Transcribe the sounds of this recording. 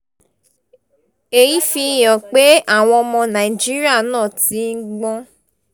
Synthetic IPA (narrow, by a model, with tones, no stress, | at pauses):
e˨ji˨˦fi˧jɔ̃˨k͡pe˦a˦˨w̃ɔ̃˧ɔ˧mɔ̃˧nã˨i˨d͡ʒi˦ɾi˦a˦˨nãː˦˨ti˨˦n̩˦ɡ͡bɔ̃˦